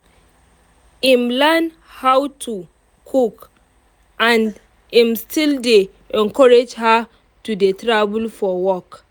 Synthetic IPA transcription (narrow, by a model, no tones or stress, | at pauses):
imlɛn | hawtʰu | kʰuk | ʔãn | ĩmstʰilde | ɛ̃nkɔɹed͡ʒha | tudetɹabulfɔwɔk